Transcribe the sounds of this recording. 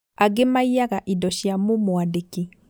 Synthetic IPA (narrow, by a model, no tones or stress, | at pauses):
aɡemaijaɣaʔidɔʃjamomoadeki